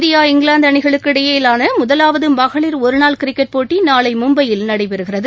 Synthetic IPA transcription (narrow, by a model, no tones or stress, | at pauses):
ɾɪjaːɪŋɡɭaːnd̪ɐɳɪɣɐɭɯkːɪɽɐjeːlaːnɐmʊðɐlaːʋɐðɯbɐɣɐɭɪɾɔɾɯnaːlkɪɾɪkːɛʈ̚poːʈːinaːɭɐɪmʊmbɐjɪlnɐɽɐɪpɛɾɯɣɪrɐðɯ